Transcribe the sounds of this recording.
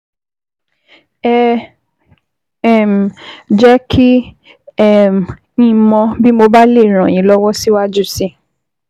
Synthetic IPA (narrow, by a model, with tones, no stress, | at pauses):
ɛ˦˨ | m˨d͡ʒɛ˦kʰi˦ | ɛ˦˨m˨ | ĩ˧˦mɔ̃˧bi˦mo˧ba˦le˦˨ɾ̃ã˨j̃ĩ˨˦lɔ˦wɔ˦si˦wa˦d͡ʒu˦si˦